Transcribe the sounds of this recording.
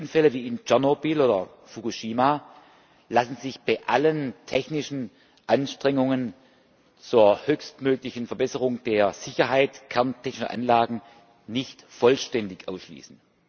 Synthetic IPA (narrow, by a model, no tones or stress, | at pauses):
ʊnfɛləviːɪnt͡ʃɛnobiloːdɐ | fukuʃiːma | lasn̩zɪçb̥aɪʔaləntʰɛçnɪʃn̩ | ʔanʃtʁ̥ɛŋʊŋən | t͡suːɐhøːçstmøːklɪçn̩fɛɐbɛsəʁʊŋd̥eːɐz̥ɪçɐɦaɪtkʰɛɐntʰɛçnɪʃʔa̰nlaːɡŋ̩ | nɪçtfɔlʃtɛndɪçʔaʊsʃlḭːsn̩